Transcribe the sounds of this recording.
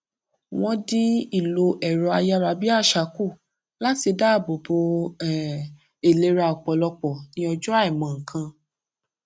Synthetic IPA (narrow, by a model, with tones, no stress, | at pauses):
w̃ɔ̃˧di˦i˦˨lo˧ʔɛ˨ɾɔ˨˧a˧ja˧ɾa˧bi˦a˦˨ʃa˨˦ku˦˨ | la˦ti˧da˦˨bo˨bo˧˨ | e˨le˨˧ɾa˧˨ɔ˨k͡pɔ˨lɔ˧k͡pɔ˨nĩ˧˦ɔ˧d͡ʒɔ˦a˦ɛ˨mã˨ŋ̩˨kʰã˧